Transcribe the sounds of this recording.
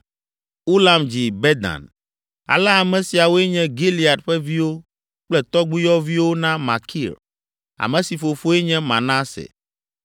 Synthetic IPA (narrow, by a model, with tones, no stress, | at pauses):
u˦la˨md͡ʑi˨bɛ˦d̪ã̰˨n | a̰˨lɛ˦a˨mɛ̃˨si˨a˨wo˦ɛ˦ɲɛ̃˦ɡi˦li˨a˨t̪ɸɛ˦vi˦wo˦ | k͡plɛ˦t̪ɔ˦ɡ͡bu˦jɔ˦vi˦wo˦nã˦ma˨kʰḭ˦˨l | a̰˨mɛ̃˨si˨fo˨fo˦ɛ˦ɲɛ̃˦mã̰˨nã˦sɛ̰˨